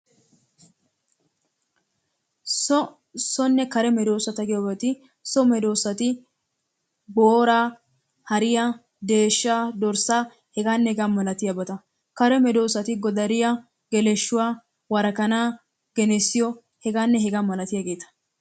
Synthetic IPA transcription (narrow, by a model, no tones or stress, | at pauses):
sɔ | sɔnːɛkɐɾɛmɛd̪o̞ːsːɐt̪ɐɡɪjɔbɐt̪ɪ | sɔmɛd̪o̞ːsːɐt̪ɪ | boːɾaː | hɐɾɪjɐ | d̪e̞ːʃːaːd̪ɔɾsaː | hɛɡaːnːɛɛɡamɐlɐt̪ɪjɐbɐt̪ɐ | kɐɾɛmɛd̪o̞ːsːɐt̪ɪɡɔd̪ɐɾɪjɐ | ɡɛlɛʃːʊwaː | wɐɾɐkɐnaː | ɡ̥ɛnɛsːɪjɔ | hɛɡaːnːɛɦɛɡaːmɐlɐt̪ɪjaɡe̞ːt̪ɐ̥